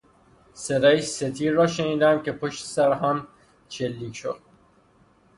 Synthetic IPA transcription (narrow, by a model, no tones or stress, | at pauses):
seɾæjset̪ʰiːɾːɒːʃe̞niːd̪æmcʲʰe̞pʰoʃt̪e̥sæɾɦæm | ʃelːiːcʰʃo̰d̪̥̚